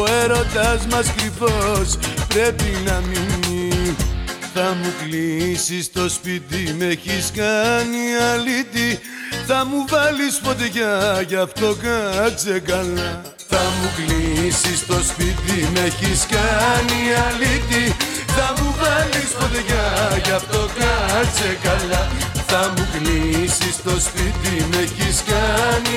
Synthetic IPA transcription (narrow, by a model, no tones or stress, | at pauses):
oe̞ɾo̞d̪ɐzmɐskɾivo̞spɾe̞pinɐmini | θɐmuklisist̪o̞spit̪ime̞çiskɐniɐlit̪i | θɐmuvɐlispo̞t̪̬eʝɐʝɐft̪o̞kɐt͡se̞kɐlɐ | θɐmuklisist̪o̞spit̪ime̞çiskɐniɐlit̪i | θɐmuvɐlispo̞t̪eʝɐʝɐft̪o̞kɐt͡se̞kɐlɐθɐmuklisist̪o̞spit̪ime̞çiskɐni